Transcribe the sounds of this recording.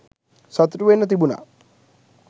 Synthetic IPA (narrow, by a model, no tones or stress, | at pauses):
sɔt̪ʈuʋenːɔt̪̬ibuna̰